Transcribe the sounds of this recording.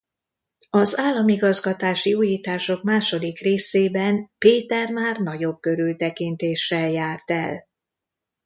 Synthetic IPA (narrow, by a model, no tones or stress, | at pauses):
ɒzaːlːɒmiɡɒzɡɒt̪aːʃiuːjiːt̪aːʃo̞kmaːʃo̞d̪ikreːseːbɛnpeːt̪ɛrmaːrnɒɟo̞b̚kø̞ɾylt̪ɛkint̪eːʃːɛljaːrt̪ɛ̰l